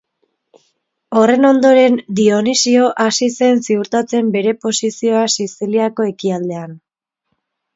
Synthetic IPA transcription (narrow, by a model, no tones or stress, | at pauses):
o̞re̞no̞nd̪o̞ɾe̞nd̪io̞nisio̞ʔasise̞nsiuɾt̪at͡se̞mbe̞ɾe̞po̞sisio̞asisiliako̞e̞kiald̪e̞an